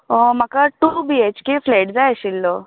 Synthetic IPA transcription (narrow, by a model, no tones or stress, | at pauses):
omakaʈubiet͡ɕkefleʈd͡zaeɕilːo